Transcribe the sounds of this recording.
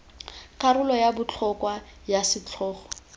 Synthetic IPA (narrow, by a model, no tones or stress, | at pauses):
kʼaɾʊlɔjabʊt͡ɬʰɔkwajasɪt͡ɬʰɔːχɔ̥